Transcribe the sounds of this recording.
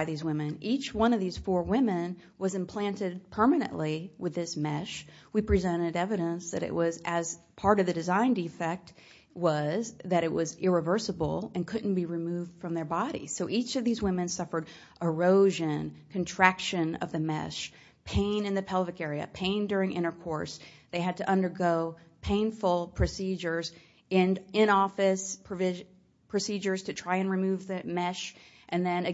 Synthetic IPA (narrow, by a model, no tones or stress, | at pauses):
ɪðizwɪ̃mɨ̃nit͡ʃwʌ̃ñʌvðiz̥fɔɹwɪ̃mɨ̃n | wʌzɨ̃mpʰl̥æ̃ntɨd̚pʰɜ˞mɨnɨ̰̃nʔliwɨðɪsmɛʃwipʰɹ̥izɛ̃ɾ̃ɨɾɛvɨɾə̃nsðɨ̰ɾɨ̰ʔwʔʌzɨz̥pʰɑɹɾʌvðɨdɨzãɪ̃ndifɛk̚t̚ | wʌzðɨɾɨʔ̚wʌzɪɹɨvɜ˞səbl̩ˠɨ̃nkʰʊdⁿn̩b̥iɹɨmʉvd̥fɹʌ̃mðə˞bɑɾḭz̥soʊʔit͡ʃʌvðizwɪ̃mɨ̃nsʌfə˞ɾ | ʔə˞oʊʒɨ̃nkʰɨ̃ntʰɹ̥ækʃɨ̃nʌ̰vðɨmɛ̰ʃ | pʰẽɪ̃nɨ̃nðɨpʰɛlˠvɨkɛɹiɨ̰pʰẽɪ̃ndʊɹɪ̃ŋʔɪ̰̃ɾ̃ə˞kʰɔɹsðeɪɨd̚tɨʔʌ̃ndə˞ɡoʊpʰẽɪ̃nfl̩ˠpʰɹ̥ɨsid͡ʒə˞z | ɪ̃nɪ̃ñɔfɨspʰɹ̥ɨvɪ | pʰɹ̥ɨsid͡ʒə˞z̥tʰɨtʰɹ̥aɪɨ̃nɹimʉvðɨmɛʃ | ʔɨ̃nðɨ̃nɨ